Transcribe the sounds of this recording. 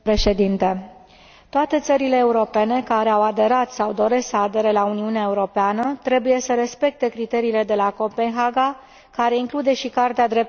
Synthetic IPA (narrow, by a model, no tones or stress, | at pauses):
pɾe̞ʃe̞d̪int̪e | t̪oat̪e̞t̪səɾile̞ːuɾo̞pe̞ne̞kaɾe̞awad̪e̞ɾat̪sawd̪o̞ɾe̞st̪səad̪e̞ɾelauniuneaeuɾo̞peanət̪ɾe̞buje̞səɾe̞spe̞k̚t̪e̞kɾit̪e̞ɾiːle̞d̪e̞lako̞pe̞nxaɡa | kaɾe̞iŋklud̪e̞ʃikart̪ead̪ɾe̞p̚